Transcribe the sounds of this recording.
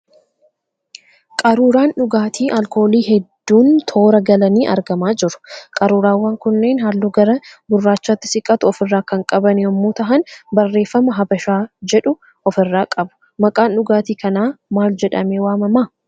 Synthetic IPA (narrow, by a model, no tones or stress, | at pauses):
kʼɐɾuːɾaːnᶑʊɡaːt̪ʰiːʔɐlko̞ːliːɦɛd̪ːuːnt̪ʰo̞ːɾɐɡɐlɐniːʔɐ̰ɾɡɐmaːd͡ʒɪɾʊ̥kʼɐɾuːɾaːwːaːŋkʊnːe̞ːnhɐlːuːɡɐɾɐbʊrːaːt͡ʃːaːt̪ːɪ̥sɪkʼɐt̪ʊɔfɪrːaːkɐŋkʼɐbɐnɪɔmːuːt̪ɐʔɐnbɐrːe̞ːfːɐmɐɦɐbɐʃaːd͡ʒɛᶑʊ | ɔfɪrːaːkʼɐbʊ̥ | mɐkʼaːnᶑʊɡaːt̪iːkɐnaːmaːld͡ʒɛᶑɐmeːwaːmɐmaː